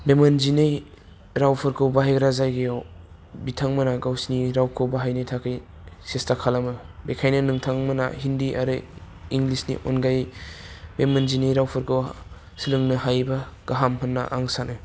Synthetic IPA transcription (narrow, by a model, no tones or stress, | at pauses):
bemɐnzinɯj | ɾawpʰɯɾkʰɯwbaɦajɡɾazajɡejaw | bitʰaŋmɐnaɡawsniɾawkʰɯwbaɦajnɯjtʰakʰɯj | sestakʰalamɯ | bekʰajnɯnɯŋtʰaŋmɐna̰hindiʔa̰ɾɯ | iŋɡlisnḭʔonɡaj | bemanzinɯjɾawpʰɯɾkɯw | silɯŋnɯɦajbɐɡ̥aɦamhʰɐnːa̰ʔaŋsanɯ